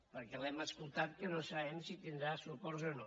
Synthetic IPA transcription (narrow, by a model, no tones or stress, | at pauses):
pəɾkɛlɛməskulˠt̪at̪̚kənosaβɛmsit̪ind̪ɾasupɔɾzono